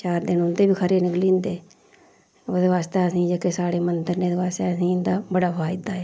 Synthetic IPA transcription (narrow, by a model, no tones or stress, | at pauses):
t͡ʃaːɾd̪ɪnʊnd̪eːbiːkʰəɾeːnɪkliːnd̪eː | od̪eːʋaːst̪eːəsĩːd͡ʒəːkeːsaːɽeːmənd̪əɾneːd̪eːʋaːst̪eːəsĩːnd̪aːbəɽaːfʰaːɪd̪aːɛː